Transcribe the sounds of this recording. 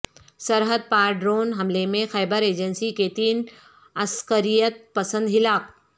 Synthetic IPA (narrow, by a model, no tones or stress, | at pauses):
sɐɾɦəd̪̚paːɾɖɾoːnɦɐmlemẽxɛːbəɾeːd͡ʒənsiket̪iːn | ɐskəɾijət̪̚pɐsə̃nd̪ɦɪlaːk